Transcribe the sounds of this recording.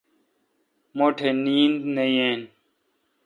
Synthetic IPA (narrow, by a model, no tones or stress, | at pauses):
moːʈʰeːniːnd̪neieːn